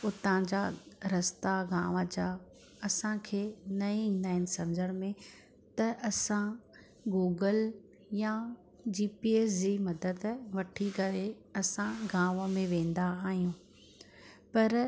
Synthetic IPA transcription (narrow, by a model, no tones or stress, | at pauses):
ʊt̪ãd͡ʑaɾɐst̪aɡãːʋəd͡ʑa | ɐsãkʰeːnɐĩĩːn̆d̪aːɦɪnɪ̆sɐmd͡ʑəɽ̃mẽ | t̪ɐʔɐsã | ɡuːɡəl | ja | d͡ʑiːpieːsd͡ʑimɐd̪əd̪ʋɐʈʰikɐɾeɐsãɡãːʋəmẽʋẽːn̆d̪aaːɦijũ | pɐɾ